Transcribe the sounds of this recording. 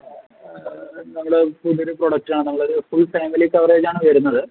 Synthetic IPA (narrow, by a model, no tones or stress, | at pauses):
nɐmːɐɭɽepuðiɾuproɽɐk̚ʈaːɳɨnɐmːɐɭoɾufulfeːmilikːɐʋɐreːd͡ʑaːɳɨʋɐjɐɾunːɐðɨ